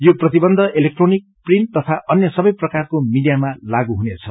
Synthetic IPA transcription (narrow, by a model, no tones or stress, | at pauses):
joprʌt̪ibʌnd̪ʱʌʔelek̚ʈronik̚prin̚t̪ʌt̪ʰaʔʌnjʌsʌbʌjprʌkarkomiɖijamalaɡuɦunet͡sʰʌ